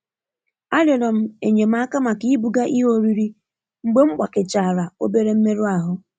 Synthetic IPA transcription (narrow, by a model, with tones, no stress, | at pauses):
a˦lɔ˨ɾɔ˨m̩˦e˨ɲe˨m̩˦a˦ka˦ma˨ki˦i˦bu˨ɡa˦ʔi˦ɦo˦ɾi˦ɾi˦ | ŋ͡m̩˦ɡ͡be˦ŋ͡m̩˦ɡ͡ba˨kɪ˨t͡ʃa˨ɾa˨o̰˦be˦ɾe˦m̩˦me˦ɾu˦a˨ɦʊ˦